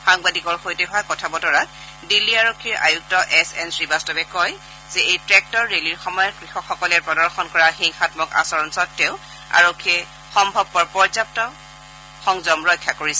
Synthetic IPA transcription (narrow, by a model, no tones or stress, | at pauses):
xaŋbadikɔɹxojtɛɦʊwakɔtʰabɔtɔɹa | dilːiaɹokʰːiɹa̰juk̚tɔʔɛsɛnsɹibastɔbɛkɔj | zɛejtɹɛk̚tɔɹːeliɹxɔmɔjɔkɹixɔkxɔkɔlɛɹpɔdɔɹxʰɔnkɔɹaxiŋxatmɔka̰sɔɹɔnsɔtːeʊ | a̰ɹokʰːiɛ | xɔmbʱɔb̚ːɔɹpɔɹzap̚tɔ | xɔŋzɔmɹɔjkʰːjakoɹisɛ